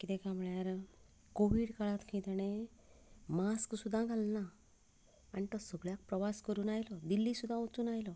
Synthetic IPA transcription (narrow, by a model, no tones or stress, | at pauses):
kit̪ɛ̃kamuɭjaɾ | koʋiːɽkaɭat̪kʰĩt̪əɽ̃e | masksud̪ʱːãɡʱalna | anit̪əsəɡɭjak̚pɾəʋaskəɾuːnajlɔd̪ilːisud̪ʱːãot͡suːnajlɔ